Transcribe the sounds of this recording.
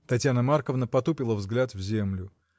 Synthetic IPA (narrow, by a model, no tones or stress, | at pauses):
t̪ɐtʲjanəmarkəvnəpɐt̪upʲɪlˠəvzɡlʲat̪vzʲe̞mlʲʊ